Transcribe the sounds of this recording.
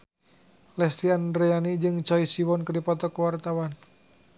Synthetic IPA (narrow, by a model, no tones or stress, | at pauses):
lɛst̪iandɾeanid͡ʒɨŋt͡ʃɔisiwɔnkədipɔt̪ɔkəwart̪awan